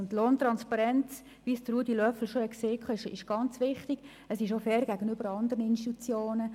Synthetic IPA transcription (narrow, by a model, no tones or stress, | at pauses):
ntloːnt̪ɾɑnspɑɾɛnt͡s | ʋisd̥əruːdilœfl̩ʃoɛkseːkʰχɔɪʃɪ̰ʃɡ̥ɑnt͡sʋɪχtɪɡ̥ | əsɪʃofɛːɾɡ̥æɡənʏb̥əɾɑnd̪əɾənəɪnʃtit̪ut͡sjoːnə